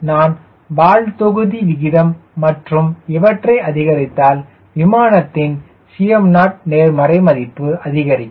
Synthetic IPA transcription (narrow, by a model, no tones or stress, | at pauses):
naːn | ʋaːɻt̪ɔɣɯðiʋɪɣɪðɐmːɐʈrɯmɛʋɐʈrɐɪʔɐðɪɣɐɾɪt̪ːaːl | ʋɪmaːnɐt̪ːɪn | sɪjɐmnaːʈ̚neːɾmɐɾɐɪmɐðɪpːɯɐðɪɣɐɾɪkː